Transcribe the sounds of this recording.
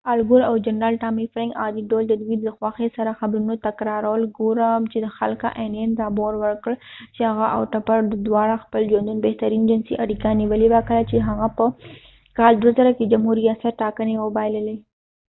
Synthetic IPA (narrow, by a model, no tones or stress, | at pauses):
alɡʊɾawd͡ʒanɾɑːlʈɑmifɾãŋkɑd̪iɖold̪əd̪wid̪ləxwaxesaɾaxabɾunot̪akɾɑɾawəlɡoɾəmt͡ʃed̪əxa̰lka̰ʔenjend̪ɑboɾwəɾkəɽt͡ʃehaɣaʔa̰wʈapaɾd̪əd̪wɑɽaxpəld͡ʒond̪unbeht̪aɾind͡ʒɪnsiʔaɽikaniwəlewakəlat͡ʃeɦaɣapə | kɑld̪wazaɾaked͡ʒamɦuɾijɑsat̪̚ʈɑkənewəbajləle